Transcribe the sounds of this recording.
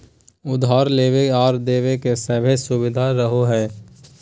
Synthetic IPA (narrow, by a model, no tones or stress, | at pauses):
ʊd̪ɦaːɾleːʋeɔːɾd̪eːʋekesəbʱesʊbɪd̪ʱaɾəɦoɦɛː